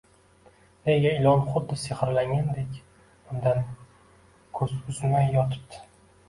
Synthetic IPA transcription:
neɡʲaɪlɒnχʊd̪ːɪseχɨɾlaŋʲand̪ekʲ | bʊmd̪an | kʰɵzʊzɪmajːɒt̪ʰɪ̥p̚d̪ʰɪ̥

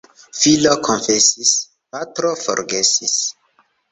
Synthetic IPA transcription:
filokʰonfesis | patɾofo̰ɾɡesis

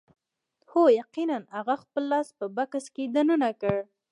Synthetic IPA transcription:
hojaqinanhaɣaxpəlːɑspəbakasked̪anunakəɽ

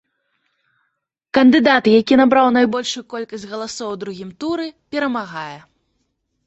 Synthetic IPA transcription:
kɐnd̪ɨd̪at̪jakʲinabɾawnajbɔlʲʂujukɔlʲkɐsʲtʲɣɐlˠasɔwd̪ɾuɣʲimt̪uɾɨpʲɛɾɐmaɣajɛ

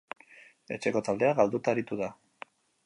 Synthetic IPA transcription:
e̞̰t͡ʃe̞ko̞t̪ald̪eaɣald̪ut̪aeɾit̪uða

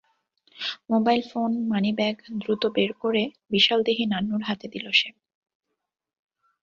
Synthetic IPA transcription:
mobajlfonmanibɛɡd̪ɾut̪obeɾkoɾe | biʃald̪eɦinanːuɾɦat̪ed̪iloʃe

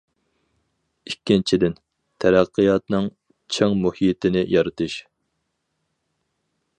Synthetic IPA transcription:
ikʲːint͡ʃʰid̪ɪn | t̪ʰɛɾæqʰːɨjɑt̪nɨŋ | t͡ʃʰeŋmuhijɪt̪ʰɪnɪjɑɾɨt̪ʰɨʃ

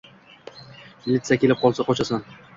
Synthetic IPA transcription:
mɪlʲɪt̪sakʲʰelɪp̚qʰɒlˠsaqɒt͡ʃʰasan

